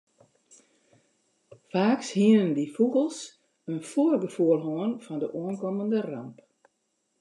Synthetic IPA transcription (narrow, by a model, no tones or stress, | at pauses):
faːkshiənəndifuɣəlˠs | ənfoərɡəfuəlˠɦoənfɔndəʔuənkɔməndəra̰mp